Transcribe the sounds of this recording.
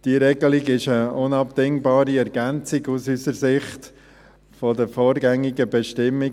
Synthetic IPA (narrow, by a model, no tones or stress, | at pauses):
d̥iəɾɛɡəliɡɪʃəʊnɑp̚d̥ɪŋbɑːɾiɛɾɡænt͡siɡusysəɾsɪχt | fɔdəfɔːɾɡɛŋːiɡəbɛʃtɪmːɪ